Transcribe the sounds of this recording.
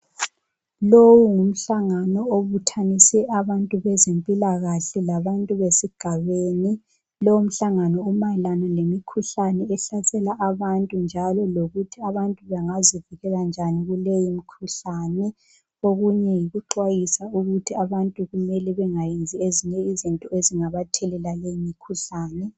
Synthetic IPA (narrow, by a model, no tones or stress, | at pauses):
lowuŋum̩ɬaŋanɔoβutʰanisɛʔaβantʼuβɛzempʼilaɣaɬɛlaβantʼuβesiɡ̥ʱaβeːni | lɔwum̩ɬaŋanɔumalanalemikʰuɬanɛɛɬasɛlaʔaβantʼund͡ʒʱalɔloɣutʰiaβantʼuβaŋaziviɣɛɣand͡ʒʱaniɣulejimikʰuɬanɛ | oɣuɲɛjiɣuǃwajisauɣutʰiaβantʼuɣumɛlɛβɛŋajind͡zʱieziɲɛizintʼɔeziŋaβatʰɛlɛlalejimikʰuɬaːnɛ